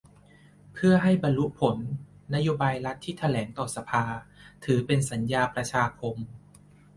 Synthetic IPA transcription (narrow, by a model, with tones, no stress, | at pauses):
pʰɯ˥˩ɐɦa˥˩jba˧nlu˦˥ʔ̚pʰo˩˦nː | a˦˥joː˧baː˧jɾa˦˥t̪ʰːiː˥˩t̪ʰa˧lɛː˩˦ŋt̪ɔː˨˩sa˧pʰaː˧t̪ʰɯː˩˦pe˧nsa˩˦njaː˧pɾa˧t͡ɕʰaː˧kʰo˧m